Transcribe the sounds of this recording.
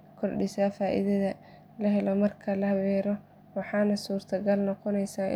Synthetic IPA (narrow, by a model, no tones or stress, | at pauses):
kʰɔrɖɪsaːfaːʔḭðɐðɐ | lɐɦɛlɔmɐrkʰɐlɐhɐβɛːɾɔ | wɑħɑːnɐsuːrt̪ʰɐɡɐlnɔqʰɔnɛjsaːʔɪ̰